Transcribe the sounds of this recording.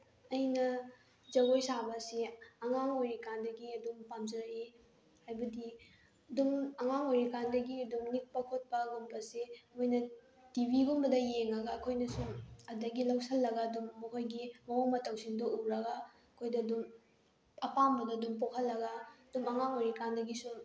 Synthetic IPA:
ɐjnɐ | d͡ʒɐɡojsabɐsiɐŋaŋojɾikandɐɡiɐdumpamzɐɾɐe | hajbɐdi | ɐdumɐŋaŋojɾikandɐɡiɐdumnik̚pɐkʰot̚pɐɡumbɐsimojnɐ | tibiɡumbɐdɐjeŋɐɡaːkʰojnɐsuɐdɐɡilɐwsɐlːɐɡaːdumːɐkʰojɡimɐwoŋmɐtɐwsiŋdoʔuɾɐɡa | ɐkʰojdɐːdum | ɐpambɐdɐːdumpokʰɐlːɐɡɐɐdumɐŋaŋojɾikandɐɡisu

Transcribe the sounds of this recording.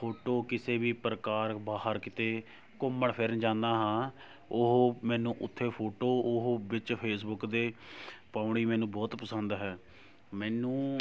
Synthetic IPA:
pʰoːʈoːkɪseːbiːpɾəkaːɾbaːɦəɾkɪt̪eː | kʊmːəɳpʰɪɾənd͡ʒãːnd̪aːɦãː | ʊɦmɛ̃ːnũːʔʊt̪ʰːeːpʰoːʈoːʊɦbɪt͡ʃpʰeːs̬bʊkd̪eːpaːʊɳ̃iːmɛːnũːbɔːt̪pəsənd̪ɦɛː | mɛːnũː

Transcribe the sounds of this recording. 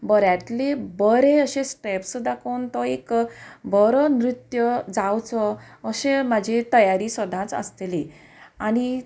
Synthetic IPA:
bəɾjat̪lebəɾeəɕẽsʈɛpsd̪akʰownt̪ɔekbəɾənɾit̪jəd͡zawt͡sɔːɕẽmad͡ʑʱet̪əjaɾiːsəd̪ʱãt͡sə̰st̪eli | ani

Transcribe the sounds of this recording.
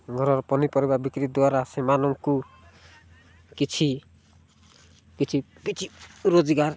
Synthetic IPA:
ɡʱɔɾɔɾpɔnipɔɾibabikɾid̪waɾasemanɔŋku | kit͡ʃʰi | kit͡ʃʰi | pit͡ʃʰiɾod͡ʒiɡaɾ

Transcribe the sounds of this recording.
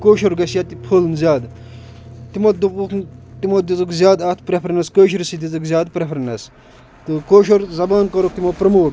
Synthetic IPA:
koːʃoɾɡɐsjat̪ipʰolnzjaːd̪ | t̪imod̪uuknt̪imod̪it͡sɨkzjaːd̪ɐt̪ʰpɾepʰɐɾɐnɐskoːʃiɾsid̪it͡sɨkzʲjaːd̪̚pɾepʰɾɐnɐs | t̪ɨkoːʃoɾzɐbaːnkɐɾok̚t̪imopɾɐmoːʈ

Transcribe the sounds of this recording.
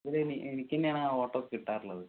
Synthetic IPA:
ɐðiɾenienikʲːɐnːeaːɳaoːʈːokːekiʈːaːɾilːɐðɨ

